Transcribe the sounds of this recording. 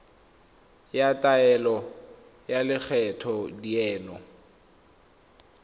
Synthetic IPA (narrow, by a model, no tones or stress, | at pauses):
jatʼaɛlɔ | jalɪk͡xʰɛtʰɔdiɛːnɔ